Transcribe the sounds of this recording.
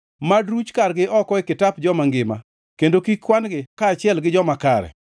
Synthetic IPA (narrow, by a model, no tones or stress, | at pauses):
madɾut͡ʃkaɾɡɪʔɔkɔɪkɪtapd͡ʒɔmaŋɡɪma̰ | kendokikːwandɡɪkaːt͡ʃɪɛlɡɪd͡ʒɔmakaɾɛ̰